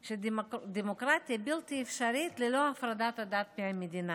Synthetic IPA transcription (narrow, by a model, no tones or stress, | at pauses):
ʃed̪d̪emokɾat̪ijabilt̪iefʃaɾit̪leloafɾad̪at̪ad̪at̪̚behamed̪ina